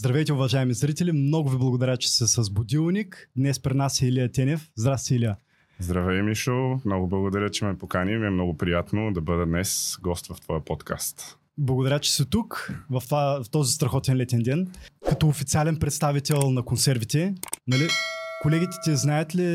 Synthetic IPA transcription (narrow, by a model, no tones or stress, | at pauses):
zd̪ɾɐvɛjt̪ɛʊvɐʒaɛmizɾit̪ɛlimnɔɡʊviblˠɐɡʊd̪ɐɾʲat͡ʃɛ̥sɛsɐzbʊd̪ilˠnʲikd̪nɛspɾɛd̪nasilijət̪ʲɛnɛfzd̪ɾast̪ɛilʲijə | zd̪ɾɐvɛjmiʃomnɔɡʊblˠɐɡod̪ɐɾʲət͡ʃɛmɛpokanimiɛmnɔɡʊpɾijat̪nod̪ɐbəd̪ɛd̪nɛsɡɔst̪vɐft̪vɔjəpɔt̪kʰa̰st̪ | blˠɐɡʊd̪ɐɾʲat͡ʃɛ̥sɛt̪ukvɐft̪vaft̪ɔzist̪ɾɐxɔt̪ɛnlɛt̪ɛnd̪ɛnkɐt̪ɔːfit̪sialɛnpɾɛt̪st̪avit̪ɛlˠnɐkonsɛɾvit̪ɛnɐlikolɛɡʲit̪ɛ̥t̪ʲiəznajət̪li